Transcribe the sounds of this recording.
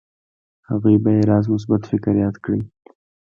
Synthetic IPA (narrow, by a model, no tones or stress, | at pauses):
ha̰ɣujbajeɾɑzmʊs̬bat̪fɪkɾjɑt̪kɽi